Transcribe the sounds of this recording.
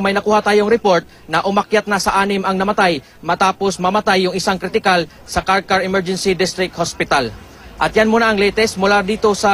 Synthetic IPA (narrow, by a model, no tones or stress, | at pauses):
mɐjnɐkuːhɐt̪aːjo̞ŋɾɛpo̞ɹt̪̚nɐʔʊmɐkjat̪̚nɐsɐʔaːnɪmʔɐŋnɐmɐt̪aj | mɐt̪aːpo̞smɐmɐt̪ajːʊŋʔɪsaŋkɾɪt̪ɪkal | sɐkaɾkɐɹɛmɛɹd͡ʒɛnsid̪ɪst̪ɾɪk̚t̪̚hospɪt̪al | ʔɐt̪̚janmonɐʔɐŋlɛːt̪ɛsmʊlad̪iːt̪o̞sɐ